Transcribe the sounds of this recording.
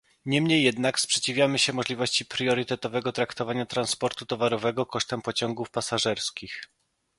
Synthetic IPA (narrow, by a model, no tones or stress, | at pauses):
ɲɛmɲejːɛd̪nakspʂɛt͡ɕivʲjamɘɕɛmɔʐlʲivɔɕt͡ɕipɾjɔɾɘt̪ɛt̪ɔvɛɡɔt̪ɾakt̪ɔvaɲat̪ɾanspɔɾt̪ut̪ɔvaɾɔvɛɡɔkɔʂt̪ɛmpɔt͡ɕɔŋɡufpasaʐɛɾskʲix